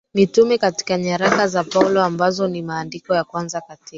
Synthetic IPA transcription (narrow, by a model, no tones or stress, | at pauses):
nitumɛkati̥kaɲaɾakazapaulɔambazɔnimaːndikɔjakwanzakatika